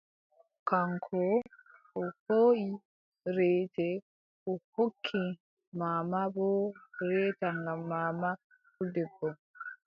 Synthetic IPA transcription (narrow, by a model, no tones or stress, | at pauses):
kaŋkʰo | uhoi | ɾeːte | kuhokʰːi | mamaβoɾeːtaŋɡamaːma | kudebo